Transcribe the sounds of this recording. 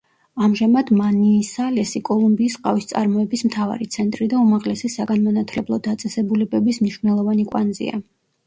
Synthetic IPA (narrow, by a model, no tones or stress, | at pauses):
amʒamad̪maniːsalɛsikʼɔlˠumbiːsqʼa̰vist̪sʼa̰ɾmɔɛbismt̪ʰava̰ɾit̪sʰɛnt̪ʼɾid̪aumaʁlɛsɛsaɡanmɔnat̪ʰlɛblˠɔd̪at̪sʼɛsɛbulɛbɛbismniʃwvnɛlˠɔvanikʼwa̰nzḭa̰